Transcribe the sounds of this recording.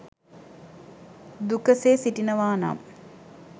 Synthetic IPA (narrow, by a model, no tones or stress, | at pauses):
d̪ukəseːsiʈinəʋaːna̰m